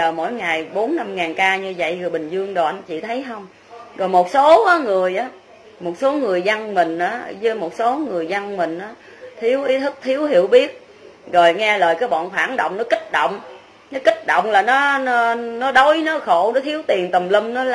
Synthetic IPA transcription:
əː˨˩mo̰˧˥jŋa˨˩jɓo˨˦nːa˧mŋaː˨˩nkaː˧ɲɨ˧zə̰˧˨jhɨ˨˩əɓï˨˩ŋ̟zɨ˧əŋɗo˨˩˨nt͡ɕḭ˧˨t̪ʰə˨˦jɦə˧wŋ͡m | zɔ˨˩jmo˨˩t̚so˨˦ʔaː˨˦ŋɨ˨˩əjʔaː˨˦ | mo˨˩t̚so˨˦ŋɨ˨˩əjzə˧ŋmï˨˩ŋ̟ʔaː˨˦˧zɨ˨˦mo˨˩t̚so˨˦ŋɨ˨˩əjzə˧ŋmï˨˩ŋ̟ʔaː˨˦ | t̪ʰi˨˦əwʔi˨˦t̪ʰɨ˦˥k̚t̪ʰi˨˦əwɦi˧˩əwɓi˦˥ət̚ | ɣo˨˩jŋɛ˧ləː˨˩jkaː˨˦jɓɔ̰ː˧˨nxwaː˧˩ŋɗo̰˧˨wŋ͡mnɔ˨˦kï˦˥k̟̚ɗə̰˧˨wŋ͡m | nɔ˨˦kï˦˥k̟̚ɗo̰˧˨wŋ͡mlaː˨˩nɔ˨˦n˨˦nɔ˨˦ɗo˨˦jnɔ˨˦xo˧˨nɔ˨˦t̪ʰi˨˦əwt̪i˨˩ənt̪ə˨˩mli˧mn˨˦l

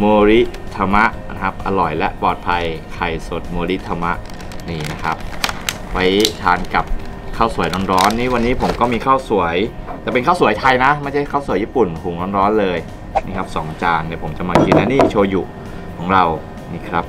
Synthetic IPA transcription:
moː˧ɾi˦˥t̪ʰa˧ma˦˥ʔna˦˥kʰa˦˥p̚ʔa˧lɔ˨˩jlɛ˦˥ʔpɔː˨˩t̪̚pʰa˧jkʰa˨˩jso˨˩t̪̚muː˧ɾi˦˥ʔt̪ʰːa˧ma˦˥ʔ | niː˧˩na˦˥kʰa˦˥p̚ | wa˦˥jt̪ʰaː˧nka˨˩p̚ | kʰaː˥˩wsu˨˩˦jnɔː˧˥˦nɾɔː˦˥nːiː˦˥˩wa˧nːiː˦˥pʰo˩˦mkɔː˥˩miː˧kʰaː˥˩wsu˩˦əjt̪ɛː˨˩pe˧nkʰaː˥˩wsu˩˦jt̪ʰa˧jna˦˥ma˥˩jt͡ɕʰa˥˩jkʰa˥˩wsu˩˦jiː˥˩pu˨˩nkʰuː˨˩˦nɔː˧˥nɾɔː˦˥nlɤː˧j | niː˥˩kʰa˦˥p̚sɔː˩˦ŋt͡ɕaː˧ŋniː˧˥˩pʰo˩˦mt͡ɕa˨˩maː˧ki˧nːa˦˥niː˥˩t͡ɕʰoː˧jṵ˨˩ | kʰɔː˩˦ŋɾa˧w | niː˥˩kʰɾa˦˥p̚

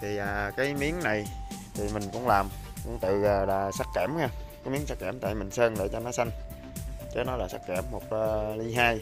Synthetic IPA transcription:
t̪ʰi˨˩ʔaː˨˩kaː˨˦jmi˨˦əŋna˨˩jt̪ʰi˨˩mï˨˩ŋ̟kʊ̰˧˥ŋ͡mlaː˨˩mkʊ̰˧˥ŋ͡mt̪ɨ̰˧˨aː˨˩laː˨˩sa˦˥t̚kɛː˧˩mhaː˧kaː˨˦mi˨˦əŋsa˦˥k̚kaː˧˩mt̪a̰ː˧˨jmï˨˩ŋ̟səː˧nɗḛ˧˩t͡ɕɔ˧nɔ˨˦sa˧ŋ̟ | t͡ɕəː˨˦nɔ˨˦laː˨˩sa˦˥t̚kɛ˧˩mːo˨˩t̚ʔəː˨˩li˧ɦaː˧j

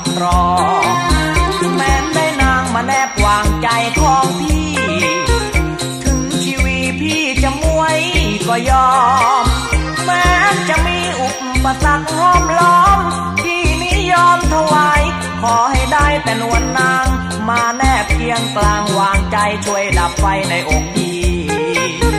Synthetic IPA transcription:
ɾɔː˨˩˦ | mɛː˨˦˥ndaː˧˥˩jnaː˧ŋmaː˧nɛː˧˩p̚waː˧ŋt͡ɕa˧jkʰɔː˧˩ŋpʰiː˧˥˩ | t̪ʰɯ˧˥ŋt͡ɕʰiː˧wi˧˩pʰiː˧˩t͡ɕa˧˩mu˧˩əjkɔː˧˩jɔː˧m | mɛː˧˦˥t͡ɕa˧˩miː˧˩ʔu˧p̚pa˧sa˧˥k̚kʰːaː˧˥˩mlɔː˧˥m | t̪ʰiː˧˩ni˦˧˥jɔː˧˥mt̪ʰa˧˩waː˨˧˦j | kʰɔː˨˦ɦa˧˩jdaː˥˩jt̪ɛː˨˧nu˧˩ənːaː˧ŋ | maː˧nɛː˧˩p̚ki˧əŋklaː˧ŋwaː˧ŋt͡ɕa˧jt͡ɕʰu˧əjda˨˦p̚fa˧jna˧jʔo˨˧˥k̚t̪iː˨˧˩

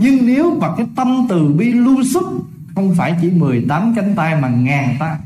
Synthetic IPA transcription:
ɲɨ˧ŋne˨˦wkwa˨˩k̚ːaː˨˦jt̪ə˧mt̪ɨ˨˩ɓi˧lu˧əsɨ˦˥k͡p̚ | xə˧wŋ͡mfaː˧˩jt͡ɕi˧˩mɨ˨˩əjt̪aː˨˦mt͡ɕa˨˦jŋ̟t̪aː˧jmaː˨˩ŋaː˨˩nt̪aː˧

